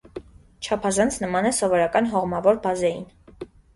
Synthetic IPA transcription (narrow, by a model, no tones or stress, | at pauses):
t͡ʃʰɑpʰɑzɑnt͡sʰnəmɑnɛsɔvɔɾɑkɑnɦɔʁmɑvɔɾbɑzɛjḭn